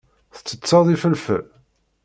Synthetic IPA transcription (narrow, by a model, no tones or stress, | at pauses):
θə̥t͡sːət͡sːɑðˤifəlfə̰l